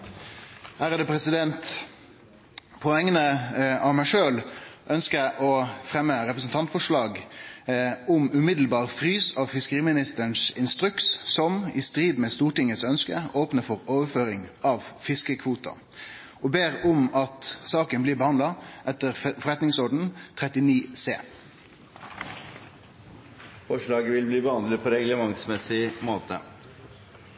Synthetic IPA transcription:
hæːɾʁɑd̪əpʰɾɛsɪd̪ɛnt̪ | pʰɔɛŋːənəɑʋmæɪʂøːlʔœnskəæʔɔfɾɛmːəɾɛpɾəsnt̪ʰɑnt̪fɔʂlɑːɡ | ʊmʉmɪd̪l̩bɑːʁfɾyːsɑʋfɪskəʁiːmɪnɪst̪əɳsɪnst̪ɾʉkssɔmɪst̪ɾiːd̪mɛst̪uːʈɪŋːət̪sœnskəoːpnəfɔɾoːʋəføːɾɪŋɑʋfɪskəkʰʋuːt̪ɑ̰ | ʔoːbeːɾʊmɑt̪sɑːkənblɪːbəhɑnd̪lɑʔɛt̪ːəɾfɔʁɛt̪nɪŋsɔɖɳ̩t̪ʰɾɛt̪ɪniːsḛː | fɔʂɭɑːɡəʋɪlbliːbəhɑnd̪ləpʰoːɾɛɡləmɑŋsmɛsɪmoːt̪ə̰

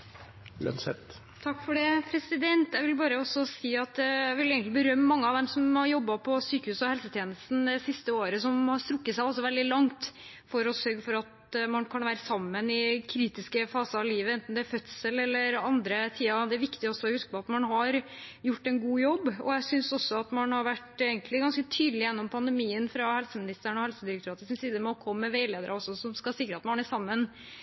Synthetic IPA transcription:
ə̰nsɛt̪ | t̪ʰɑkːfɔɖɛpʰɾɛsɪd̪ɛnt̪jæɪʋɪlbɑːɾəɔsɔsiːɑt̪jæʋɪleːɡənlɪbəɾœmːəmɑŋːəɑʋd̪ɛmsɔmhɑɾjɔbːɑpʰɔsyːkəhʉːsɔhɛlsət̪ʰjeːnəst̪n̩d̪ɛsɪst̪əoːɾəsɔmhɑɾst̪ɾʊkːət̪sæɪɔsɔʋɛld̪ɪlɑŋt̪ | fɔɾɔsœɾɡəfɔɾɑt̪ | mɑnkʰɑnʋæːɾəsɑmːənɪkʰɾiːt̪ɪskəfɑːsəɑʋliːʋəɛnt̪nd̪ɛæɾfœt̪səlɛlːəɾɑnd̪ɾət̪ʰiːɑd̪ɛæɾʋɪkt̪ɪɔsːɔɔhʉskəpɔɑt̪mɑnɦɑɾjʊʈːɛnɡuːjɔbːɔ̰jæɪsʏnsɔsːɔɑt̪mɑnhɑɾʋæʈːeːɡənlɪɡɑnskət̪ʰyːd̪lɪjɛnːɔmpʰɑnd̪əmiːənfɾɑhɛlsəmɪnɪst̪əɳɔhɛlsəd̪ɪɾəkt̪ʰɾɑːt̪əsɪnsiːd̪əmɛɔkʰɔmːəʋeɪleːd̪əɾəɔsːɔsɔmskɑsɪkːɾəɑt̪mɑnæsɑmːən

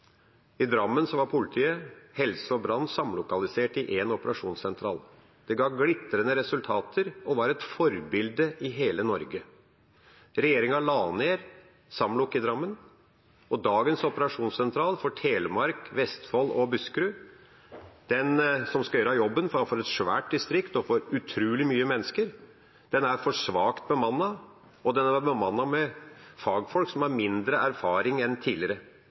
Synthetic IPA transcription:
ɪd̪ɾɑmːənsɔʋɑɾpʰʊlɪt̪ʰiːəhɛlsəɔbɾɑnːsɑmlʊkɑlɪseːʈɪʔeːnɔpəɾɑʂuːnsɛnt̪ʰɾɑ̰ːl | d̪̥ɛɡɑːɡlɪt̪ːəɾənəɾɛsʉlt̪ʰɑːt̪ʰəɾɔʋɑɾɛt̪fɔɾbɪld̪əʔɪɦeːlənɔɾɡə | ɾɛjeːɾɪŋɑɭɑːneːɾ | sɑmlʊkɪd̪ɾɑmːən | ɔd̪ɑːɡənsɔpəɾɑʂuːnsɛnt̪ʰɾɑːlfɔʈʰeːləmɑɾkʋɛst̪fɔlɔbʉskɾʉ | d̪̥ɛnsɔmskɑjøːɾɑjɔbːənfɔfɔɾɛt̪ʂʋæ̰ːʈ̚d̪ɪst̪ɾɪkt̪ɔfɔɾʉt̪ʰɾʉːlɪmyːəmɛnːəskəɾ | d̪̥ɛnæɾfɔʂʋɑːkt̪̚bəmɑnːɑ | ɔd̪ɛnæbəmɑnːɑmɛfɑːɡfɔlksɔmhɑɾmɪnd̪ɾəʔæɾfɑːɾɪŋɛnt̪ʰiːlɪɾə

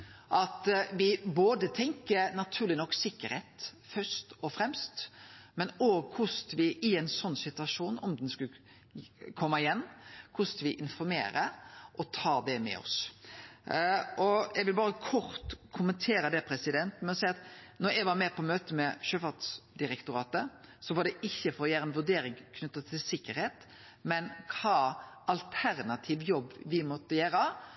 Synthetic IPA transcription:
ʔɑt̪ʋɪboːd̪ət̪ʰɛŋkəɾnɑt̪ʰʉːlɪnɔkːsɪkːəɾheːt̪ | fœst̪ɔfɾɛmst̪mɛnoːɡkʰʊst̪ʋɪɪɛnsɔnːsɪt̪ʉɑʂuːnɔmd̪ɛnskʉ | kʰɔmːɑɪjɛnːkʰʊskɑʋɪʔɪnfɔɾmḛːɾəʔɔt̪ʰɑːd̪ɛmɛ̰ɔ̰s | ʔɔʔɛɡʋɪlbɑːɾəkʰɔɾt̪kʰʊmənt̪ʰeːɾəd̪ɛpʰɾɛsɪd̪ɛnt̪mɛɔsæɪɑt̪nɔɾjɛʋɑɾmɛpʰɔmøːt̪əmɛʃøːfɑʁt̪sd̪ɪɾɛkt̪ʊɾɑːt̪əsɔʋɑɖ̪ɛʔɪçːəfɔɾɔjæːɾəɛnʋʉd̪eːɾɪŋkʰnʉt̪ːət̪ʰːɪlsɪkːəɾheːt̪ | mɛnkʰɑː | ɑlt̪ʰæɾnɑt̪ʰiʋjɔbːʋɪmɔt̪ːəjøːɾə

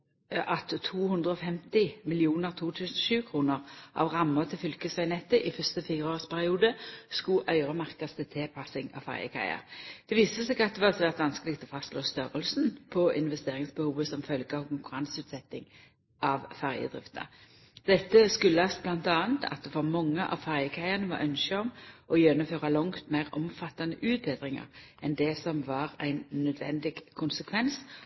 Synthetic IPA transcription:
ʔɑt̪ʰːuːhʉnd̪ʁəɔfɛmt̪ɪmɪlɪuːnəʁt̪ʰuːt̪ʰʉːsən̩ɔʃʉːkʰʁuːnəʁʔɑ̰ʋʁɑmːət̪ʰɪlfʏlkəsæɪnɛt̪ːəʔɪfœʁst̪əfiːʁəoːʁspʰæʁɪuːd̪əskʉʔœʏʁəmɑʁkɑst̪ʰɪt̪ʰɛpʰɑsɪŋɑ̰ːʋfæ̰ʁjə̰kʰæ̰ɪə̰ʁd̪̥ɛʋiːsəsɛːɡɑt̪̚d̪ɛʋɑsʋæʁt̪ʋɑnskəlɪk̚t̪ʰɔfɑst̪loːst̪œʁəlsn̩pʰɔɪnʋɛst̪eːʁɪŋsbəhuːʋəsɔmfœlɡəɑʋkʊŋkʉʁɑnsʉːt̪sɛt̪ːɪŋ | ɑʋfæʁjə̰d̪ʁɪft̪ə̰ɾ | d̪ɛt̪ːəskʉlːəɑst̪̚blɑnt̪ɑːənt̪ʰɑ̰t̪̚d̪ɛfɑʁmɑŋːəʔɑ̰ʋfæʁjəkʰæɪɑnəʋɑ̰ɾʔœnʃəɔmɔjɛnːʊmføːʁɑlɔŋt̪mæɪʁɔ̰mfɑt̪ːɑnəʔʉːt̪̚beːd̪ʁɪŋə̰ɾ | ɛnd̪ɛsɔmʋɑːɾæɪnnœd̪ʋɛ̰nd̪ɪɡkʰːʊnsəkʰʋɛns

